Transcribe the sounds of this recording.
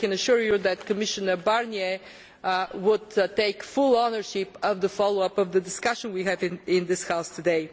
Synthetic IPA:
kɛ̃nəʃʊɹjuðɨt̚kəmɪʃɨnəbaɹnjɛ | wʊd̚teɪkfʊlˠɔnə˞ʃɪpʌvðəfɑlˠoʊʌpʌvðədɪskʌʃə̃nwiɦɨvɪ̃nɪ̃nðɪshaʊstʰɨdeɪ

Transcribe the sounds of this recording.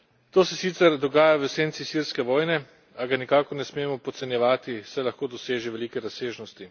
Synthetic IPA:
t̪oːsɛsiːt̪sɛɾd̪ɔɡaːjaʋəseːnt̪sisiɾskɛʋɔːjnɛ | aɡanikaːkɔɾnɛsmeːmɔpɔt̪sɛnjɛʋaːt̪isajlaxkoːd̪ɔseːʒɛʋɛliːkɛɾaseːʒnɔst̪i

